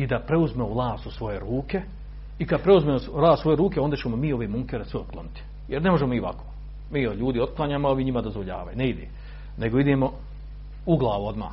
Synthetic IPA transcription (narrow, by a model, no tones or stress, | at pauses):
id̪apɾe̞uzmeolˠaːst̪usʋo̞je̞ɾuːke̞ | ikad̪̚pɾe̞uzmemolˠaːsʋo̞jeɾuːkeond̪at͡ɕemo̞miːo̞ʋeːmuŋkeːɾasʋeot̪̚klonit̪i̥ | jeɾnemo̞ʒemomiʋa̰ko̥ː | miːoʎuːd̪io̞t̪̚klˠaːɲaːmoaoʋiːɲimad̪ozʋoʎa̰ːʋa̰juneid̪eː | ne̞ɡoid̪eːmo̞ | uɡlˠaːʋuo̞d̪ma̰ː